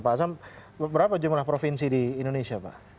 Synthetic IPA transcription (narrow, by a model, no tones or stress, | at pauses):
pasam | bəɾapad͡ʒumlahpɾofinsidiːndonesiapa̰ʔ